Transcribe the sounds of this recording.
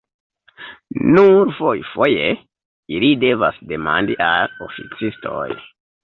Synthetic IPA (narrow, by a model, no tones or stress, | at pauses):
nuɾfojfoje | ilide̞vasde̞ma̰ndiʔalofit͡sistʰo̰j